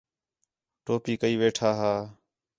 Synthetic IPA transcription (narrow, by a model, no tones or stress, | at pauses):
ʈoːpiːkəiːʋeːʈʰaːɦaː